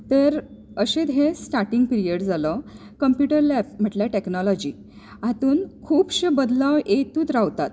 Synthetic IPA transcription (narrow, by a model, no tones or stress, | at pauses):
t̪əɾ | əɕed̪ɦẽsʈaɾʈiŋɡpiɾiəɽd͡zalɔ | kəmpjuʈəɾlɛpm̤əʈljaʈeknɔlɔd͡ʑiː | at̪uːnkʰuːbɕebəd̪laʋʔet̪uːt̪ɾaʋt̪at̪̚